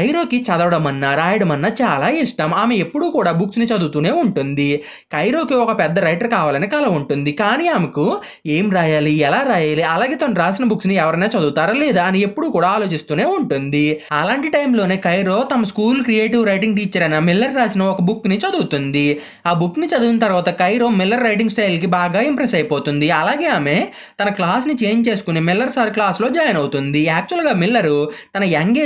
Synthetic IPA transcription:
kɐjɾo̞ːkit͡ʃɐd̪ɐʋɐɽɐmɐnːaːɾaːjiɽɐmɐnːɐt͡ʃaːlaːiʂʈaːmaːme̞epːuɽuːkuːɽaːbuksnit͡ʃɐd̪uːt̪uːne̞ːuɳʈund̪i | kɐjɾo̞ːkiɔkɐpɛd̪ːɐɾɐjʈɐɾkaːʋaːlɐnikaːlaːuɳʈund̪ikaːniːaːmɐku | e̞ːmɾaːjaːliɛlaːɾaːjaːliɐlaːɡe̞ːt̪ɐmɾaːsinɐbuksniɛʋɐɾɐnaːt͡ʃɐd̪uːt̪aːɾɐleːd̪aɐniepːuɽuːkuːɽaːaːlo̞ːt͡ʃist̪uːne̞ːuɳʈund̪iɐlaːɳʈiʈɐjmlo̞ːneːkɐjɾo̞ːt̪ɐmɐskuːlkɾijeːʈiʋɾɐjʈiŋɡʈiːt͡ʃːɐɾɐnɐmilːɐɾːaːsinɐɔkɐbukːnit͡ʃɐd̪uːt̪und̪i | aːbukːnit͡ʃɐd̪uʋinɐt̪ɐɾʋaːt̪ɐkɐjɾo̞ːmilːɐɾːɐjʈiŋɡsʈɐjlk̬ibaːɡaːimpɾesɐjpoːt̪und̪iɐlaːɡe̞ːaːme̞ː | t̪ɐnɐklaːsnit͡ʃe̞ːɲd͡ʒt͡ʃe̞ːsu̥kunimilːɐɾsaːɾklaːslo̞ːd͡ʒaːjɐnɐwut̪und̪iɛːk̚t͡ʃuɐlɡaːmilːɐɾut̪ɐnɐjaŋɡeː

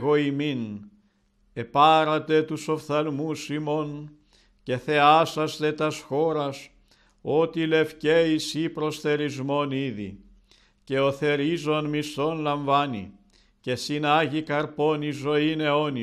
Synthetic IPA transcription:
ɣoimin | e̞pɐɾɐt̪e̞t̪uso̞fθɐlmusimo̞n | ce̞θe̞ɐsɐst̪e̞t̪ɐsxo̞ɾɐs | o̞t̪ile̞fceisipɾo̞sθe̞ɾizmo̞niðḭ | ce̞o̞θe̞ɾizo̞nmist̪o̞nlɐɱvɐnḭ | ce̞sinɐʝikɐɾpo̞nizo̞ine̞o̞ni

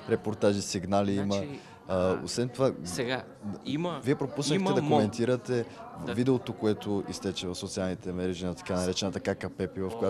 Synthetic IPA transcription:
ɾɛpoɾt̪aʒisiɡnaliimə | əo̰svɛnt̪ovaɛɡa | mviɛpɾopusnətɛd̪ɐkomɛnt̪iɾət̪ɛvid̪ɛot̪okoɛt̪oist̪ɛt͡ʃɛvɐfsot̪sialˠnit̪ɛmɛɾɛʒinɐt̪ɐ̥kanɐɾɛt͡ʃɛnət̪ɐkakɐpɛpivɐfkoja

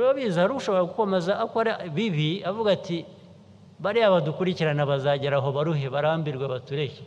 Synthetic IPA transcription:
uɾiwoβiːzahaɾukuʃo̞βo̞ɾakuko̞me̞zaʔːkoɾaβiβiavuɡati | βaɾiaβadukuɾiciɾanaβazaɟeɾaɦo̞βaɾuɦeβaɾambiɾɡwaβatuɾe̞he

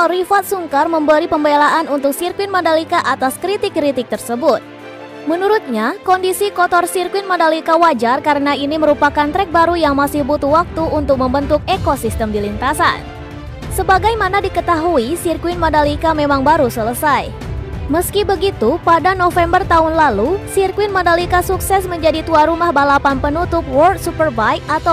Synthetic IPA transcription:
rifat̪̚suŋkarməmbəɾipəmbelaʔanunt̪ʊk̚sirkwɪnmodalikaʔat̪askɾit̪ɪkːɾit̪ɪk̚t̪ərsəbʊt̪̚ | mənuɾut̪̚ɲakɔndisikɔt̪ɔrsirkwɪnmodalikawad͡ʒarkaɾənainiməɾupakant̪ɾɛk̚baɾujaŋmasihbut̪uwak̚t̪uːnt̪ʊk̚məmbənt̪ʊk̚ekosist̪əmdilint̪asa̰n | səbaɡajmanadikət̪aɦuisirkuwɪnmodalikamemaŋbaɾusələsaj | məskibəɡit̪upadanofɛmbərt̪aɦʊnlalusirkwɪnmodalikasuksɛsməɲd͡ʒadit̪uaɾumahbalapanpənut̪ʊp̚wɔrt̪̚supərbajat̪a

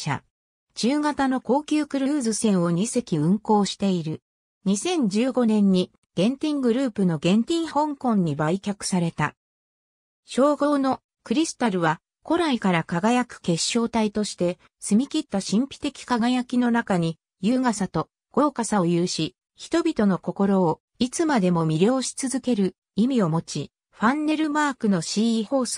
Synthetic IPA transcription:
a̰ | d͡ʑɨːɡat̪ano̞ko̞ːkʲɨːkɯ̟ɾɯ̟ːzɨsẽ̞ɰ̃o̞ɲ̟ise̞kʲiɯ̟̃ŋko̞ːɕi̥t̪e̞iɾɯ̟ | ɲ̟isẽ̞ɲ̟d͡ʑɨːɡo̞nẽ̞ɲ̟ːi | ɡ̥ẽ̞nt̪ʲĩŋɡɯ̟ɾɯ̟ːpɯ̟no̞ɡẽ̞nt̪ʲĩɰ̃hõ̞ŋkõ̞ɲ̟ːibaikʲakɯ̟̥saɾe̞t̪a | ɕo̞ːɡo̞ːno̞ | kɯ̟ɾʲisɨ̥t̪aɾɯ̟βa | ko̞ɾaikaɾakaɡajakɯ̟̥ke̞ɕːo̞ːt̪ait̪o̞ɕi̥t̪e̞ | sɨmʲikʲit̪ːaɕĩmpʲi̥t̪e̞kʲi̥kaɡajakʲino̞nakaɲ̟i | jɯːɡasat̪o̞ | ɡ̥o̞ːkasaojɯːɕi | çi̥t̪o̞bʲit̪o̞no̞ko̞ko̞ɾo̞ː | it͡sɨmad̪e̞mo̞mʲiɾʲo̞ːɕi̥t͡sɨzɨke̞ɾɯ̟ | imʲio̞mo̞t͡ɕi | ɸãnːe̞ɾɯ̟maːkɯ̟no̞ɕiːiːho̞ːsɨ̥

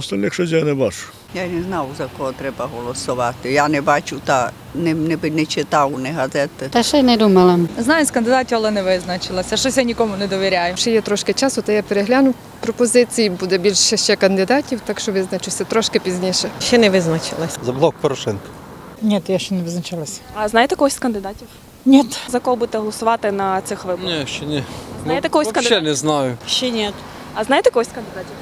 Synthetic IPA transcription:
ɔst̪ɐlʲnʲɪxʃɔzʲɛnɛbaʂʊ̥ | janɛznawzɐkɔɦɔt̪ɾɛbɐɦɔlˠɔsɔʋat̪ɪjanɛbat͡ʃʊt̪a | nɛnɛbɪnɛt͡ʃɪt̪awnɛɦɐzɛt̪ɪt̪ɛʃɛnɛd̪umɐlˠɐmznɑjʊskɐnd̪ɪd̪atʲiwɐlˠɛnɛʋɪznɐt͡ʃɪlˠɐsʲʃɔsʲjanʲikɔmʊnɛd̪ɔʋʲiɾʲajʊʃt͡ʃɛjɛt̪ɾɔʃkɪt͡ʃasʊt̪ɛjapeɾeɦlʲanʊ | pɾɔpɔzɪt͡sʲijibud̪ɛbʲilʲʃɛʃt͡ʃɛkɐnd̪ɪd̪ɑtʲiwt̪ɑkʃt͡ʃɔʋɪznɐt͡ʃusʲɐt̪ɾɔʃkɪpʲizʲnʲiʃɛʃt͡ʃːɛnɛʋɪznɐt͡ʃɪ̰lˠɐsʲzɐblˠɔk̚pɔɾɔʃɛnkɐ̥ | nʲɛt̪jaʃt͡ʃɛnɛʋɪznɐt͡ʃɪlˠɐsʲɐznɑjt̪ɛkɔɦɔsʲkɐnd̪ɪd̪ɑtʲiw | nʲit̪zɐkɔɦɔbud̪et̪ɛɦɔlˠɔsʊʋɑt̪ɪnɐt̪sɪxʋɪnʲɛʃt͡ʃɛnʲɛnʲjt̪ɛkɔɦɔsʲk̪ʃt͡ʃɛnɛznɑjʊʃt͡ʃɛnʲit̪ | ɐznɑjt̪ɛkɔɦɔsʲkɐnd̪ɪd̪atʲiw

